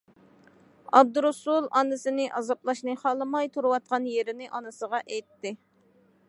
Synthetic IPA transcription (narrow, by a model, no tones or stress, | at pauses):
ɑ̰b̚d̪uɾusulˠɑnːɨsɨnɪʔɑzɑplˠɑʃnɨχɑlˠɨmɑjt̪ʰuɾuwɑt̪̚qɑnjeɾɪnɪʔɑnɨsəʁɑʔɛjt̪ːɪ